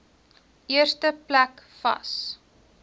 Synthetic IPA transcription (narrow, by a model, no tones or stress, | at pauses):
iərstəplækfɐ̰s